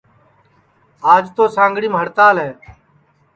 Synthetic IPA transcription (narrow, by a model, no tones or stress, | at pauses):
aːd͡ʒt̪oːsãːŋɡɽĩːmɦəɽt̪aːlɦɛː